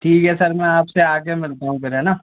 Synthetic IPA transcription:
ʈʰiːkɦɛsɐɾmɛ̃aːpseaːɡemɪlt̪aɦũpɪɾɦɛnaː

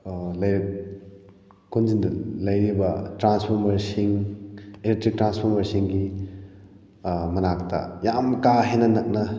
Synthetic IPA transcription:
lɐj | kunzindlɐjɾibɐtɾanspʰoɾmɐɾsiŋ | eletɾik̚tɾanspʰɔɾmɐɾsiŋɡi | mɐnak̚tɐ̰jamkaɦenɐnɐk̚nɐ

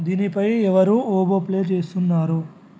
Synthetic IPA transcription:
d̪iːnipɐjɛʋɐɾuːoːboːple̞ːt͡ʃe̞ːst̪unːaːɾu

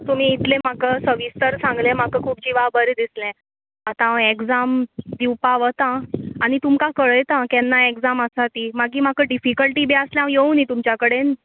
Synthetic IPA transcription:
t̪um̤iːt̪lẽm̤akəsəʋist̪əɾsãŋɡlɛ̃m̤akəkʰuːp̚d͡ʑiʋabəɾed̪islɛ̃ | at̪ãeɡd͡zamd̪iwpaʋət̪ãaɽ̃it̪umkãkəɭəjt̪ãkɛnːaeɡd͡zaməsat̪imaɡiːm̤akəɖifikəlʈiːbɛəsljãjeunit̪umt͡ɕjakəɽen

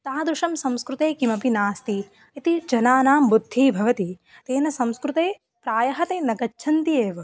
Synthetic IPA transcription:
t̪aːd̪ɾuʂɐmsɐ̃mskɾut̪eːkimɐpinaːst̪i | it̪id͡ʒɐnaːnaːmbud̪ʱːiːbʱɐʋɐt̪i | t̪eːnɐsɐ̃mskɾut̪eː | pɾaːjɐɦɐt̪eːnɐɡɐːʃʰɐnt̪ijeːʋɐ

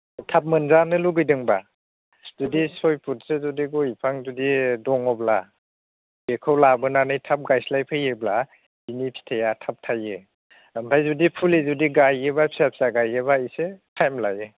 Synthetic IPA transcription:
tʰap̚mɯnzanɯluɡɯjdɯŋba | z̥udisɔjpʰut̚sezudiɡɔjipʰaŋzudidɔŋɔbla | bekʰɯwlabɯnanɯjtʰap̚ɡajslajpʰɯjɯbla | binipʰi̥tʰajatʰap̚tʰajɯ | ampʰajzudipʰulizudiɡajɯbapʰi̥sapʰi̥saɡajɯbaisekʰajmlajɯ

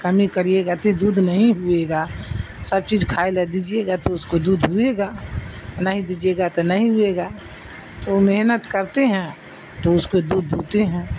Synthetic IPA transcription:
kəmikəɾieɡat̪od̪uːd̪ʱnəɦĩɦʊeɡaː | sɐb̚t͡ʃiːd͡ʒkʰaːeled̪id͡ʒieɡat̪oʊskod̪uːd̪ʱɦʊeɡaːnəɦĩd̪id͡ʒeɡat̪onɐɦĩɦʊeɡaː | t̪omeɦnət̪kəɾt̪eɦɛ̃ | t̪oʊskod̪uːd̪ʱːuːt̪eɦɛ̃ː

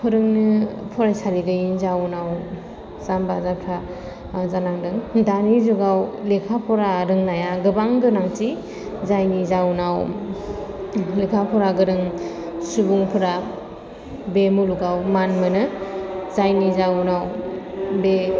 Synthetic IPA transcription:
pʰɯɾɯŋnɯpʰɔɾajsaɾiɡɯjinzawnaw | zambazapʰɾa | zanaŋdɯŋdanizuɡawlekʰapʰɔɾaɾɯŋnajaɡɯbaŋɡɯnaŋti | zajnizawnaw | lekʰapʰɔɾaɡɯɾɯŋ | subuŋpʰɯɾa | bemuluɡawmanmɯnɯzajnizawnaw | be

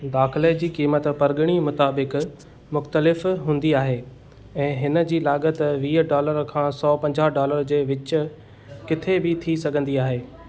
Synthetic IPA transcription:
d̪aːxɪləd͡ʑiːkiːmət̪pɐɾɡəɽ̃imʊt̪aːbɪk | mʊxt̪əlɪfɦũːn̆d̪iaːɦeː | ɛ̃ːɦɪnə̆d͡ʑiːlaːɠət̪ʋiːɖaːləɾkʰãːsɔːpɐ̃ɲd͡ʑaːɦɖaːləɾd͡ʑeːʋɪt͡ɕ̆ | kɪt̪ʰebɪt̪ʰisɐɡʱə̃nd̪iaːɦeː

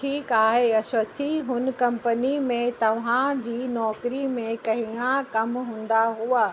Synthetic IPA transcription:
ʈʰiːkaːɦeɐʃɐt̪ʰiɦʊn̆kɐ̃mpənimẽt̪ɐʋ̤ãd͡ʑiːnɔːkɾimẽkɐɦĩãkɐmɦũːn̆d̪aɦuaː

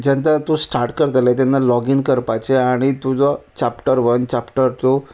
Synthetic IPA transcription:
d͡ʑɛ̃nt̪at̪usʈaɾʈkəɾt̪əlat̪̬anːalɔɡinkəɾpajt͡ɕeaɽ̃it̪ud͡zɔt͡ɕapʈəɾʋənt͡ɕapʈəɾt̪o

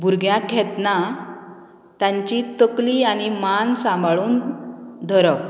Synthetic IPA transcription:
bʱuɾɡʱjãkʰɛt̪na | t̪ãɲt͡ɕit̪əkliañimansãmbʱɭuːnd̪ʱəɾəp

